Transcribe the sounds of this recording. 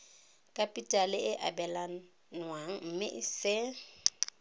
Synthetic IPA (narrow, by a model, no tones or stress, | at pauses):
kʼapʼitʼalɪʔɪʔabɛlan | nwaŋ̩m̩mɪʔɪsɪ